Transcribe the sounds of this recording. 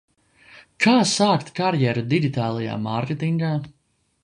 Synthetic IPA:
kʰaːsaːkt̪kaɾjɛɾud̪iɡit̪aːlˠaja̰ːmaɾkʲet̪iŋɡaː

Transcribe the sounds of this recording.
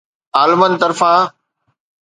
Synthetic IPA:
aːlmənt̪ɐɾfãː

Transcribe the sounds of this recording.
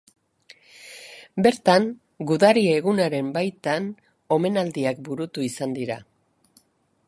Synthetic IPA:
be̞ɾt̪aŋ | ɡuðarieːɣunaɾe̞mbajt̪an | o̞me̞nald̪iak̚buɾut̪uisand̪iɾa

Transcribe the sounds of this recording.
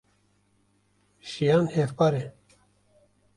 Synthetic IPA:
ʃijanhefpaɾe

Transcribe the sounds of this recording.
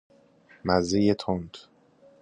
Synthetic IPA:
mæzejet̪ʰond̪

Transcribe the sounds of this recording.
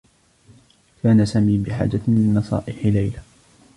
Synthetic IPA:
kaːnasaːmiːbɪħa̰ːd͡ʒamɪnːɑsˤɑ̰ːʔɪħɪlajla

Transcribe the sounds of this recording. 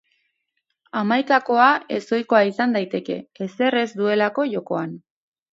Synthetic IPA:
amajkako̞ae̞so̞jko̞aisand̪ajt̪e̞ke̞̰ːse̞re̞zd̪ue̞lako̞ʝo̞ko̞an

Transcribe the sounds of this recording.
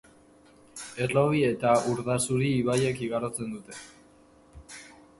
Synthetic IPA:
e̞rlo̞βie̞t̪auɾðasuɾiːβajekiɣaɾot͡se̞nd̪ut̪e̞

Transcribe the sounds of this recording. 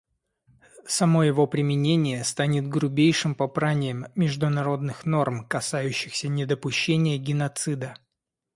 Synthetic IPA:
sɐmo̞jɪvo̞pɾʲɪmʲɪnʲenʲɪjəst̪anʲɪt̪̚ɡɾʊbʲejʂɨmpɐpɾanʲɪjəmːʲɪʐd̪ʊnɐɾo̞d̪nɨxno̞rmkɐsajʉɕːɪxsʲənʲɪd̪əpʊɕːenʲɪjəɡʲɪnɐt̪sɨd̪ə

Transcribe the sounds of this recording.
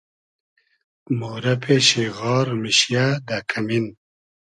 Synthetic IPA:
moːɾɐpʰeːɕeɣɑːɾmiɕjad̪akʰamin

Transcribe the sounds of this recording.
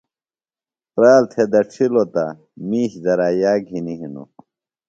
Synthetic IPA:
pɾaːlt̪ʰed̪ɐʈ͡ʂʰilot̪a | miːɕzɐɾaːjaːɡʱiniɦinṵ

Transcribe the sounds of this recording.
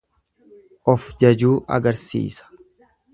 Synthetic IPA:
ʔɔfd͡ʒɐd͡ʒuːʔɐ̰ɡɐɾsḭːsɐ̥

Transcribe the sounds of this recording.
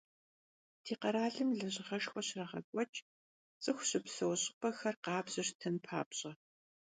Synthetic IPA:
tʰiːqɐɾaːɮɨmɮɐʑʼɪʁɐʃxʷɔɕrɐʁɐ̰kʷʼɔt͡ʃʼ | t͡sʼɨxʷɕɪpsɐwɕʼɪpʼɐxɐrqɑːbʑɨrtʰɐnpʰa̰ːpɕʼɐ

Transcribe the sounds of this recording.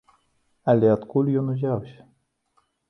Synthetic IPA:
alʲeat̪kulʲjonuʒawɕ

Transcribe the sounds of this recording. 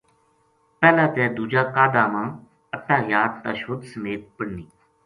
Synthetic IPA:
pɛːlãːt̪ɛːd̪uːd͡ʒaːkaːd̪aːmãː | ətːaːjaːd̪̚t̪aːʃʊd̪səmeːt̪̚pəɽniː

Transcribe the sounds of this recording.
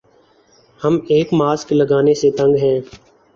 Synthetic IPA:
həmeːkmaːskləɡaːneset̪ə̃ŋɡɦɛ̃ː

